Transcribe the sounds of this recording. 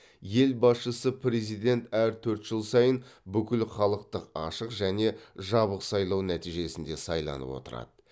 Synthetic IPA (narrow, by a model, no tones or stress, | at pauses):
je̞lbɑsʃəsəpʰɾe̞zijd̪e̞nt̪æɾt̪ʰɵɾt̪ʒ̥əlˠsɑjənbʏkʲɪlχɑlˠəqt̪əqɑ̰ʃəqʒæne̞ʒɑβəqsɑjlˠɑwnæt̪iʒe̞sɪnd̪e̞sɑjlˠɑ̰nə̰pwo̞̰t̪əɾɑ̰d̪̥ə